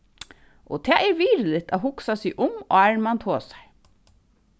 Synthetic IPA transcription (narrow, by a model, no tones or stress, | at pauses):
ʔɔ̰t̪ʰɛːʔɛɾʋiːɾlɪt̪a̰hʊksasiːʔʊmɔ̰ːæɹmant̪ʰoːsḁj